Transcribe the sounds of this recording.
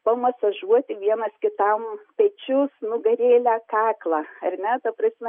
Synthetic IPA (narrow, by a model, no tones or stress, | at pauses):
pɐmɐsɐʒuɔt̪ʲɪʋʲiɛnɐskʲɪt̪ɐmpʲɛt͡ʃʲʊsnʊɡɐɾʲeːlʲæːkɑːklˠɑɐrʲnʲɛt̪ɐpɾɐsʲmʲɛ